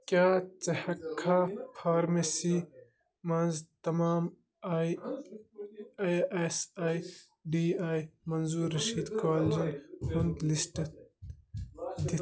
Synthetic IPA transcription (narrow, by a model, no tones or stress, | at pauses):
kaːt͡sɐhɐkʰːapʰaːɾmesi | mɐnzt̪ɐmaːm | esaːj | ɖiːaːjmɐnzuːɾːɐʃiːd̪kaːld͡ʒinhund̪lisʈ̪ | d̪i